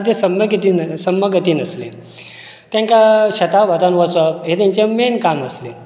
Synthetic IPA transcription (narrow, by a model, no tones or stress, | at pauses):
t̪esəməɡit̪iːnsəmːəɡət̪iːnəslḛ | t̪jãŋkaɕət̪aʋəd̪anʋɔt͡səpɦet̪jãɲt͡ɕemenkaməsle